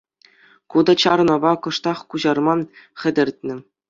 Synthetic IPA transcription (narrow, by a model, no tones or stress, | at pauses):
kud̪ɑt͡ɕɑɾnɤ̆bɑkɤ̆ʂt̪ɑχkuʑɑrmɑnχʲɘ̆dʲɘ̆rʲtʲnʲɘ̆